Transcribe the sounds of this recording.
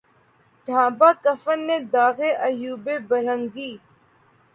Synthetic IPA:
ɖʱãːbaːkəfənːeːd̪aːɣeʔɐjuːbeːbɐɾə̃ŋɡiː

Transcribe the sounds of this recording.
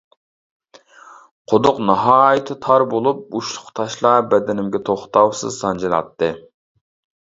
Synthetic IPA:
qʰod̪ʊqnɑɦɑːjit̪ʰɨt̪ʰɑɾbolˠup̚uʃlˠʊqt̪ʰɑʃlˠɑbɛd̪ɪnɪmɡʲɛt̪ʰoχt̪ɑwsɨ̰zsɑnd͡ʒilˠɑ̰t̪ːɨ

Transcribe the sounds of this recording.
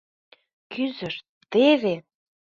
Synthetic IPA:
kyzəʃt̪̚ | t̪eve

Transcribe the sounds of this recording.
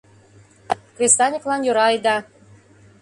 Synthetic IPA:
kvʲest̪ɑnʲiklɑnjøɾɑjd̪ɑ

